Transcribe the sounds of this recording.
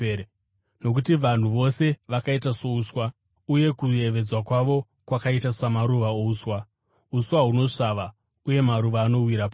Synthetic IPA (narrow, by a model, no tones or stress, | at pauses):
no̞k̬utiʋan̤uʋo̞se̞ʋakaitaso̞uswa | uje̞kue̞ʋe̞d͡zwakwaʋo̞ | kwakaitasamaɾuʋaouswa | uswaɦuno̞ʂaʋa | uje̞maɾuʋaːno̞wiɾapa